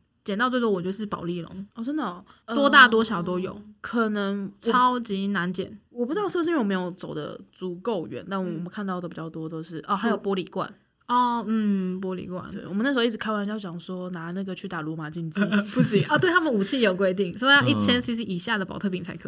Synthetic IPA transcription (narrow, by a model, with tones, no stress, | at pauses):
t͡ɕjɛ˨n˥˧t͡stwɔ˥˩wɔ˨˩t͡ɕjɔ˥˧˩ʂɻ̩˥˩pɑ̰˨˩ʊli˥˩lo̰˧˦ŋɔ˥˧˩ə˥nd̪ə˨˩˧wɔ˥t̪a˥˩t̪wɔ˥ɕjɑ˨˩ʊt̪o˥ʊjo˨˩˦ʊkʰə˨˩nə˧˦ŋʰɑ˥ʊt͡ɕi˧˥na˧˥nt͡ɕjɛ̰˨˩˦nwɔ˨˩pu˧˥˧ʂ̩˥˩b̩˧˥˧m˧˦jo˧˥ʊt͡so˨˩ʊd̪ə̰˧t͡su˧˥ko˥˩ʊɥɛ̰˧˦nt̪a˥˩nwɔ˨˩wɔ˨˩mə˨˦nkʰnt̪ɑ˥˩ʊd̪ə˩pi˨˩t͡ɕjɑ˥˩ʊt̪wɔ˥t̪o˥ʊʂɻ̩˥˩ʔɔ˥˧˩ha˧˥jo˨˩ʊpwɔ˥li˨˩kwa̰˥˩n | ɔ˥˧˩n̩˥˩p̬wɔ˥lḭ˨˩kwa̰˥˩nḛ˥˩wɔ˨˩mə˦na˥˩ʂ̩˧˥˧ʊi˥˩˨kʰa˥˩nwa˧˥nt͡ɕjʊt͡ɕjɑ˨˩ŋʂwɔ˥na˧˥na˥˩ɡə˩t͡ɕʰy˥˩t̪a˨˩lwɔ˧˥ma˨˩t͡ɕi˥˧nt͡ɕi˥˩pu˥˩ɕi˨˩˦ɔ˥˧t̪we˥˩ɪt̪ʰa˥mə˨u˨˩t͡ɕʰi˥˩jo˨˩ʊk̬we˥ɪt̪i˥˩ŋso˥˧i˥t͡ɕʰjɛ˥nsi˧˥s̬i˧˥ʔi˨˩ɕja˥˩d̪ə˩pɑ˨˩ʊt̪ʰɤ˥˩pʰi˨˩ŋt͡sʰa˧˥ɪkʰə˧